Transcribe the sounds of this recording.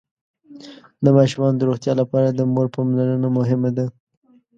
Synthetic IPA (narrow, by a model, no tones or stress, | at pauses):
d̪əmɑʃumɑnd̪əɾoxt̪jɑlapɑɾad̪əmoɾpɑmlanənamʊɦɪmad̪a